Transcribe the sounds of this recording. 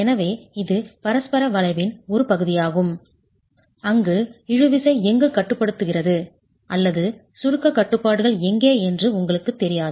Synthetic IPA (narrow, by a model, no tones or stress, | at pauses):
ɛnɐʋeːɪðɯpɐɾɐspɐɾɐʋɐlɐɪʋɪnɔɾɯpɐɣɯðɪjaːɣɯm | ɐŋɡɯɪɻɯʋɪsɐɪɛŋɡɯkɐʈːɯpːɐɽɯt̪ːɯɣɪrɐðɯ | ʔɐlːɐðɯ | sʊɻɯkːɐkːɐʈːɯpːaːɽɯɣɐɭɛŋɡeːɛndrɯʊŋɡɐɭɯkːɯt̪ːɛɾɪjaːðɯ